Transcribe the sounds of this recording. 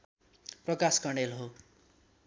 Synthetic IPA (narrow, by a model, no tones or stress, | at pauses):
prʌkaskʌɳɖelɦo